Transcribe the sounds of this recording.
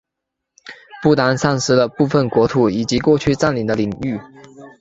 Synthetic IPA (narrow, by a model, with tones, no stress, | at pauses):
pu˥˩t̪a˧˥nsa˥˩nʂɹ̩˥lə˧pu˥˩fə˨˩nkwɔ˧˥t̪ʰu˨˧˥i˨˩t͡ɕi˧˥kwɔ˥˧t͡ɕʰy˥˧t͡sa˥˩nli˨˩d̪ə˦li˨˩ŋy˥˩